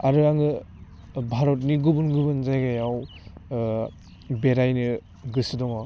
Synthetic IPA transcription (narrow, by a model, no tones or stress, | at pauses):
aɾɯaŋɯ | bʱaɾɔt̬̚niɡubunɡubɯnzajɡajaw | beɾajnɯ | ɡɯsɯdɔŋɔ